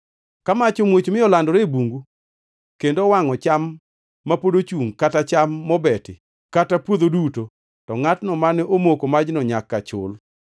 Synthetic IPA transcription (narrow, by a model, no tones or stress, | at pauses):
kamat͡ʃomwet͡ʃmɪɔlandɔɾebuŋɡu | kendowaŋɔt͡ʃamː | apodot͡ʃuŋkatat͡ʃamːɔbɛtɪ | katapwod̪oduto | tɔŋatnɔmanɛʔomokomad͡ʒnɔɲakːat͡ʃʊ̰l